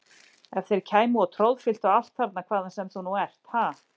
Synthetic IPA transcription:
ɛv̥θejɾcʰaːjmuɔt̪ʰɾowðfɪl̥t̪aal̥t̪faɾt̪nakʰvaːðansɛmθunuɛr̥t̪ha

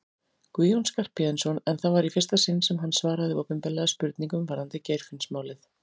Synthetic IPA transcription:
kviːjownskar̥pːiðɛnsɔnɛnθavaɾifɛrst̪asɪnːsɛmɦanːsvaːɾaðɪowpʏmpɛlɛɣaspʏɾt̪niŋkʏmvaɾ̥hant̪ɪcejɾ̥fɪnsmaːwlɪθ

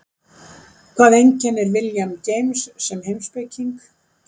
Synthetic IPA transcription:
kʰv̥aːðejɲcɛnːɛɾvɪljamcejmsːɛmɦejmspejciŋk

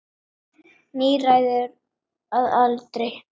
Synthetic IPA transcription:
niːraːjðʏɾ | aðalt̪ɾɪ

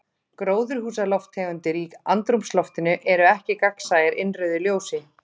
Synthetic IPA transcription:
kɾoːwðʏɾ̥huːsalɔft̪ʰːɛːɣʏnt̪ɪɾiːka̰nt̪ɾumslɔft̪ɪnʏʔɛɾʏɛhcɪkaksaːjɪɾʔɪnrœɥðʏljoːwsɪ

